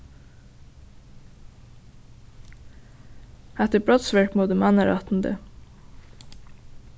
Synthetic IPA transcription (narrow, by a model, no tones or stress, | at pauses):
æt̪əbɹɔt̪sʋɪɹkmoːd̪ʉmɑnəɾɑ̰t̪n̩d̪ə̰